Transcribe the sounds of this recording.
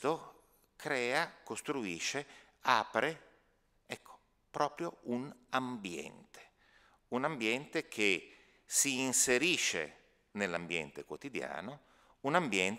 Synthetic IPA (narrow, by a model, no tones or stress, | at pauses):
t̪o | kɾɛːakost̪ɾuiːʃːe | aːpɾe | ɛkʰːo̥ | pɾɔːpɾjounambjɛ̰nt̪ʰe̥ | unambjɛnt̪ekʰe | siːnseɾiːʃḛ | nelːambjɛ̰nt̪ekwot̪id̪ja̰ːno | unambjɛnt̪